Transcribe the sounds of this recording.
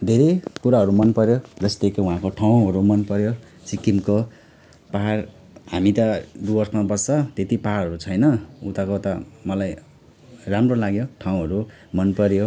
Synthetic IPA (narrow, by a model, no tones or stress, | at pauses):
d̪ʱeɾekuɾaɦʌɾumʌnpʌɾjod͡zʌst̪ekʰeũɦãkoʈʰaw̃ɦʌɾumʌnpʌɾjo | sikimko | paɦar | hamit̪ʌd̪ubʌrsmabʌsʌt̪et̪ipaɦaɾʌɦʌɾut͡sʰʌjnʌut̪akot̪ʌmʌlaj | ramrolaɡjoʈʰaw̃ɦʌɾu | mʌnpʌɾjo